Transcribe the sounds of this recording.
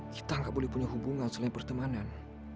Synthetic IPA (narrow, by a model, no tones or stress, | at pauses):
kʰi̥t̪aŋɡaʔbolɛhpuɲaɦubuŋansəlaiŋpərt̪əmanan